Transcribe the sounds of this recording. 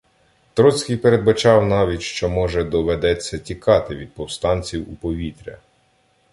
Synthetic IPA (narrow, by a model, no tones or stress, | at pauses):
t̪ɾɔt͡sʲkʲijpeɾe̞d̪̚bɐt͡ʃɑwnɑʋʲitʲʃt͡ʃɔmɔʒɛd̪ɔʋed̪ɛt͡sʲːɐtʲikɑt̪ɪʋʲid̪̚pɔwst̪ɑnʲt͡sʲiwupɔʋʲit̪ɾʲɐ̰